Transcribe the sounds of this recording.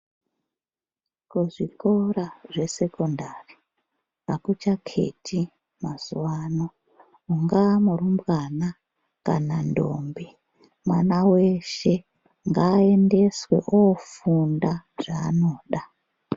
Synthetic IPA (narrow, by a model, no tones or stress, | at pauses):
kuʐikoraʐe̞se̞kondari | pakut͡ʃakʰe̞̰tʰi | maz̥uwano | uŋɡaːmurumbɣana | ka̰nando̰mbi | mwanawe̞ʃe̞ | ŋɡaːe̞nde̞swe̞̰ʔofundaʐ̥a̰ːno̞ːɗa